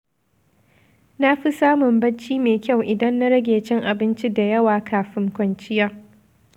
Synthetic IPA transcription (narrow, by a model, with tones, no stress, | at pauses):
na˦ɸi˦saː˦mʊ˨mbɐ˦t͡ʃiː˦meː˨kʲa˦˨wʔɪ˨dɐ˦nːa˦ɽɐ˦ɡʲeː˨t͡ʃɪ˦ŋʔa˨bɪ˦nt͡ʃi˦da˨jɐ˦waː˨kʰaː˨ɸɪ˦ŋkʷɐ˨nt͡ʃɪ˦ja˦